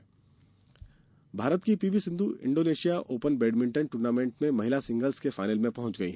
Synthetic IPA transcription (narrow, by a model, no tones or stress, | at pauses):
bʱaːɾət̪kipiːʋisɪ̃nd̪ʱuʔɪ̰̃ɳɖoːneːʃijaʔoːpənbeːɖmɪ̃ɳʈənʈuːɾnaːmẽːɳʈmẽmɐɦɪlasɪ̃ŋɡəlskefaːɪnəlmẽpɐɦʊ̃ɲt͡ʃɡɐḭɦɛ